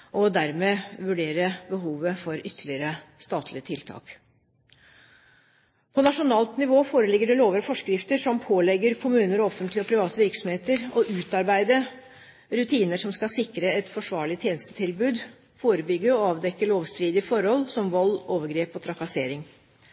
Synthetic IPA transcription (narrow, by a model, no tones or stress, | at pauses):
ʔɔd̪æɾmeːʋʉɖeːɾəbəɦuːʋəfɔɾʏt̪ʰːəɭɪəɾəst̪ɑːt̪ʰlɪət̪ʰɪlt̪ʰɑ̰ːk | pʰɔnɑʂʊnɑːlt̪nɪʋoːfoːɾəlɪɡːəɖɛloːʋəɾəfɔʂkɾɪft̪əʂɔmpʰoːlɛɡːəɾkʰʊmʉːnəɾɔɔfənt̪lɪɔpʰɾɪʋɑːt̪əʋɪɾksɔmheːt̪əɾɔʔʉːt̪ɑɾbæɪd̪ə | ɾʉt̪ʰiːnəʂɔmskɑsɪkːɾəɛt̪fɔʂʋɑːɭɪt̪ʰjeːnəst̪ə̥t̪ʰɪlbʉːd̪ | foːɾəbʏɡːəɔɑːʋd̪ɛkːəɭoːʋst̪ɾiːd̪ɪfɔɾhɔlːsɔmʋɔlːoːʋəɾɡɾeːpɔt̪ʰɾɑkɑseːɾɪŋ